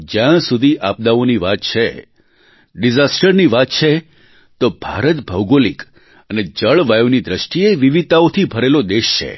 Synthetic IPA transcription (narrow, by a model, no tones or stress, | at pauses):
d͡ʒjãsud̪ʱiʔap̚d̪aoniʋat̪̚t͡ʃʰe | ɖizasʈəɾniʋat̪̚t͡ʃʰe | t̪obʱaɾət̪bʱəwɡolik | əned͡ʒəɭʋajʋnid̪ɾəʃʈieʋiʋit̪aot̪ʰibʱəɾelod̪eʃt͡ʃʰḛ